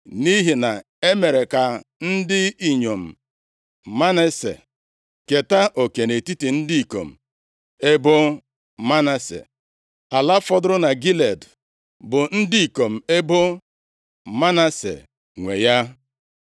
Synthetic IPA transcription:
ni˦ɦi˨na˨ | e˦me˨ɾe˨ka˨n̩˦dɪ˦i˨ɲo˨m̩˨ | ma˦ne˦sḛ˨ | ke˨ta˦ʔo˨ke˨ne˨ti˦ti˨n̩˦di˦i˨ko̰˨m̩˨ | e˦bʊ˦ | ma˦na˨sḛ˨ | a˨la˦fɔ˦dʊ˦ɾʊ˦na˨ɡi˦le˨d | bʊ˨n̩˦di˦i˨ko˨m̩˨e˦bʊ˦ | ma˦na˦sḛ˨ | ŋʷe˨ja˦

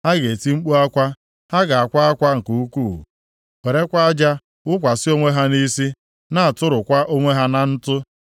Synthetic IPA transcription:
ha˦ɡe˨ti˦ŋ͡m̩˦k͡pu˦a˦kʷa˦ | ha˦ɡa˨a˨kʷa˦a˦kʷa˦ŋ̩˨ku˨u˦kṵː˦˨ | we˨ɾe˦kʷa˦a˦d͡ʒa˦ | ʊ˦kʷa˨sɪ˦o˦ŋʷe˦ɦa˦ni˦si˦ | na˦˨a˨tʊ˦ɾʊ˨kʷa˦ʔo˦ŋʷe˦ɦa˦na˦n̩˦tʊ˦

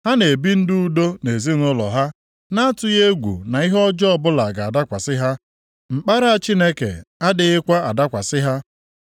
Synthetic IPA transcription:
ha˦ne˨bi˦n̩˦dʊ˦u˦do˦ne˨zi˦n˦ʊ˦lɔ̰˨ɦa˦ | na˦tʊ˦je˦ɡʷṵ˨na˨i˦ɦɔ˦d͡ʒɔ˦ɔ˦˨bʊ˦la˨ɡa˨a˨da˦kʷa˨sɪ˦ɦa˦ | ŋ͡m̩˨k͡pa˦ɾa˦˨a˨t͡ʃi˦ne˦kḛ˨a˦dɪ˨ɪ˦kʷa˦a˨da˦kʷa˨sɪ˦ɦa˦

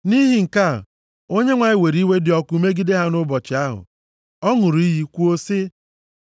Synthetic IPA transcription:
ni˦ɦi˨ŋ̩˨ka˦˨ | o˦ɲe˦ŋʷa˨ɲɪ˦˨we˨ɾi˦we˦dɪ˨ɔ˦ku˦me˦ɡi˦de˦ɦa˦nʊ˦bɔ˨t͡ʃɪ˨a˦ɦʊ̰˨ | ɔ˦ŋʊ˨ɾu˨i˦ɦi˦kʷu˦o˦sɪ˦

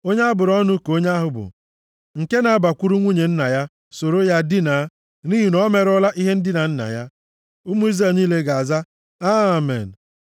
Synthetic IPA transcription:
o˦ɲe˦a˦bʊ˨ɾɔ˦nʊ˦ko˦ɲa˦a˦ɦʊ˨bʊ̰˨ | ŋ̩˨ke˦na˨a˦ba˨kʷu˦ɾu˦ŋʷu˦ɲe˨n̩˦na˨ja˦ | so˨ɾo˦ja˦dɪ˦na˨˦ | ni˦ɦi˨nɔ˦me˨ɾɔ˦la˦ʔi˦ɦe˦n̩˦dɪ˦na˨n̩˦na̰˨ja˦ | u˦mu˦i˦ze˦˨niː˦le˦ɡa˨a˨za˦ | a˦˨mḛ˨n̩˨

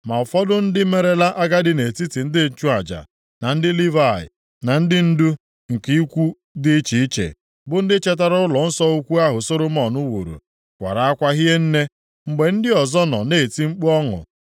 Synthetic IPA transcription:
ma˨fɔ˦dʊ˦n̩˦dɪ˦me˨ɾe˦la˦ʔa˦ɡa˦dɪ˦ne˨ti˦ti˨n̩˦dɪ˦n̩˦t͡ʃu˦a˨d͡ʒa̰˨ | na˨n̩˦dɪ˦li˦va˦˨ɪ̰˨ | na˨n̩˦dɪ˦n̩˦du˦ | ŋ̩˨ki˦i˦kʷu˦ | dɪ˦t͡ʃi˨i˦t͡ʃḛ˨ | bʊ˨n̩˦dɪ˦t͡ʃe˦t̬a˦ɾʊ˦ʊ˦lɔ˨n̩˦sɔ˦o˦kʷu˦a˦ɦʊ˨so˦ɾʊ˦m˦ɔ˨nʊ˦wṵ˨ɾṵ˨ | kʷa̰˨ɾa˨a˦kʷa˦ɦi˦ɦe˦n̩˦ne˦ | ŋ͡m̩˨ɡ͡be˨n̩˦dɪ˦ɔ˨zɔ˦nɔ̰˨ne˦˨ti˦ŋ͡m̩˦k͡pu˦ɔ˦ŋʊ̰˨

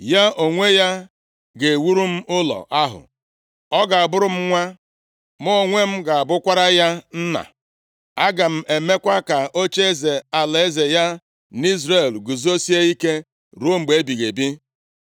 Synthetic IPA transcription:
ja˦ʔo˨ŋʷe˦ja˦ | ɡe˨wu˦ɾu˦m̩˦ʊ˦lɔ̰˨ʔa˦ɦʊ̰˨ | ɔ˦ɡa˨a˨bʊ˦ɾʊ˦m̩˦ŋʷa˦ | mʊ˦o˨ŋʷe˦m̩˦ɡa˨a˨bʊ˦kʷa˦ɾa˦ja˦n̩˦na̰˨ | a˦ɡa˨m̩˦e˨me˦kʷa˦ka˨o˦t͡ʃe˦e˦ze˨a˨le˨e˦ze˨ja˦ | ni˦zɾe˨lɡu˨zo˦si˦e˦i˦ke˦ | ɾu˦o˦m̩˨ɡ͡be˨e˦bi˨ɣe˨bi˦

